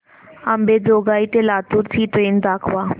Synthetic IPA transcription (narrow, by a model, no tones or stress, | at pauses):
ɐmbeːd͡ʒoːɡaːit̪elaːt̪uɾt̪ʰit̪oend̪aːkʰʋaː